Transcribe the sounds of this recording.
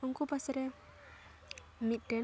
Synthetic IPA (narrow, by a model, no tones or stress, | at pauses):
uŋkupasɾɛ | mit̪̚ɖɛ